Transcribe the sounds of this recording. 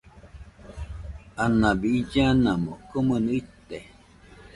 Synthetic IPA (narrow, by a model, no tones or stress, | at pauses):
anabiid͡ʒanamokomənəit̪e